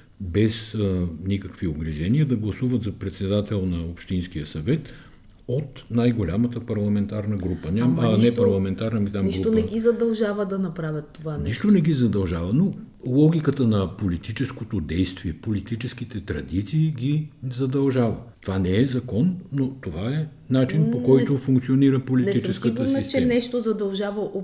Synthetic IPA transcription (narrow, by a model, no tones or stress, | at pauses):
bɛsnikəkvioɡɾiʒɛniəd̪ɐɡlˠɐsuvət̪zɐpɾɛt̪sɛd̪at̪ɛlˠnɐopʃt̪inskijəsɐvɛt̪ | ot̪najɡolʲamət̪əpɐɾlˠɐmɛnt̪aɾnəɡɾupənʲamnɛpɐɾlˠɐmɛnt̪aɾnɐmit̪amniʃˠt̪onɛɡʲizɐd̪ɐlˠʒavəd̪ɐnɐpɾavʲət̪ːovanniʃt̪onɛɡ̟izɐd̪ɐlˠʒavɐno | lˠɔɡ̟ʲikət̪ənɐpolit̪it͡ʃɛskot̪od̪ɛjst̪viɛpolit̪it͡ʃɛsk̟it̪ɛt̪ɾɐd̪it̪siːɡʲizɐd̪ɐlˠʒavət̪ovanɛɛzɐkɔnːot̪ovaɛ | nat͡ʃinpokɔjt̪ofũŋkt̪sioniɾəpolitnit͡ʃɛskət̪əsnist͡ʃɛɛnɛʃt̪ozɐd̪ɐlˠʒavɐʔo